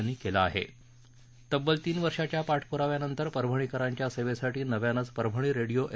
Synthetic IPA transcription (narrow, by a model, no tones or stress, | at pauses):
nːiːkelaːɦḛ | t̪əbːəlt̪iːnʋəɾʂat͡ɕjapaʈʰpuɾaʋjanənt̪əɾpəɾbʱəɳ̃ikəɾaɲt͡ɕjaseʋesaʈiːnəʋjanət͡spəɾbʱəɳ̃iːɾeɽijoʔ